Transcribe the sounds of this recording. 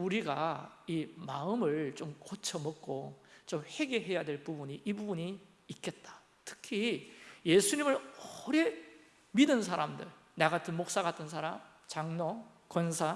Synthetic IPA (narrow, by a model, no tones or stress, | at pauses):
uɾiɡaimaɯmɯɭt͡ɕomkot͡ɕʰʌmʌk̚k͈ot͡ɕomhe̞ɡe̞ɦe̞jadwe̞ɭpubuɲiʔibubuɲiː | k͈e̞t̚t͈ḁ | tʰɯ̥kʰije̞sʰuɲimɯɭʌɾe̞ | midɯns̬ʰaɾamdɯɭ | neɡatɯmok̚s͈aɡat͈ɯns̬ʰaɾam | t͡ɕaŋno | kʌnsʰa